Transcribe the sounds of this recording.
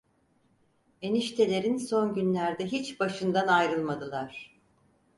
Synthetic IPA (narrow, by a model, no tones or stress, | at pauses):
eniʃt̪ʰe̞lʲe̞ɾinso̞nɟynlʲæɾd̪ɛɦit͡ʃbaʃɯnd̪anajɾɯlˠmad̪ɯlˠaɾ̝̥